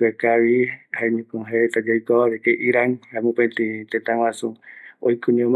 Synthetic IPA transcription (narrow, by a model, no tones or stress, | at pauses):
ekaβihaeɲũkõɦaeet̪ad͡ʒajkoaβekeʔiɾaŋɾamũpẽnt̪it̪ẽt̪ãwãsuojkʰuɲõm